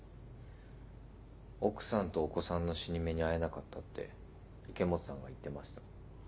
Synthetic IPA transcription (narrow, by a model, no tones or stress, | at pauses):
o̞kɯ̟̥sãnt̪o̞ːko̞sãnːo̞ɕiɲ̟ime̞ɲ̟iae̞nakat̪ːat̪ːe̞̰ | ike̞mo̞t͡sɨ̥sãŋɡa̰it̪ːe̞maɕi̥t̪ḁ